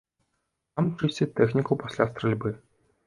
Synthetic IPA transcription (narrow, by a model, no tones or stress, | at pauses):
t̪amt͡ʂɨsʲtʲɛt̪ɛxnʲikupasʲlʲast̪ɾrɛlʲbɨ